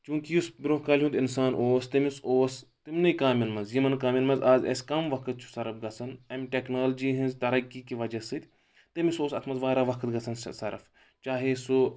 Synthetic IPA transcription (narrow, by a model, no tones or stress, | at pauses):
t͡ʃũːkijusbɾoːɦkaːlʲiɦũt̪insaːnʔoːst̪ɐmisoːst̪imnɐjkaːmʲɐnmɐnzjimɐnkaːmʲjɐnmɐzaːzɐ̰skɐmʋɐkʰɨt̪̚t͡ʃʰu̥sɐɾɐfɡɐt͡sʰɐnɐmʲʈeknaːld͡ʒiːɦinzt̪ɐɾɐkːikiʋɐd͡ʒɐsɨt̪ʲ | t̪ɐmisoːsɐt̪ʰmɐnzʋaːɾaːʋɐkʰɨt̪ɡɐt͡sʰɐnsɐ̰sɐɾɐ̰f | t͡ʃaːɦesu